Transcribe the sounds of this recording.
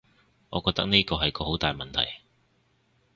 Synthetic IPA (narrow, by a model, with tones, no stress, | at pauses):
ŋɔː˨˧kɔː˧t̪ɐ˥k̚niː˥kɔː˧ɦɐ˨jkɔː˧ho˨˥wt̪aː˨jmɐ˨nt̪ʰɐ̰˨˩j